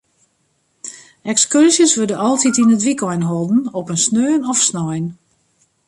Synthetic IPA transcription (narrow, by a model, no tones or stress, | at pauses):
ɛkskørsjəsʋødəʔɔlˠtitinətʋikɔjnɦɔlˠdn̩ɔpənsnøːnɔfsnɔjn